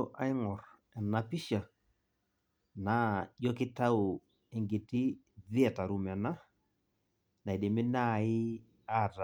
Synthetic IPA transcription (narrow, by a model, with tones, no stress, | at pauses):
ʔa˦ɪ˦ŋɔ˨r | ɛ˨na˨pi˦ʃa˨ | na˨jɔ˦kɪ˦ta˦ʊ˨ | ɛ˨ŋɡe˨tɪ˦ | ðɪ˦ɛ˨ta˨ɾu˨mɛ˨na˦ | na˨i˨de˨mɪ˦na˦˨ɪ˦ | a˦˨ta